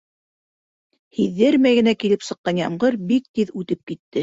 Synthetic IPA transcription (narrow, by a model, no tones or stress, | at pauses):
hiðːɘɾmæjɡɘ̆nækilɘpsɤ̆qːɑnjɑmɢɤɾbik̚t̪iðʉt̪ɘp̚kit̪ːɘ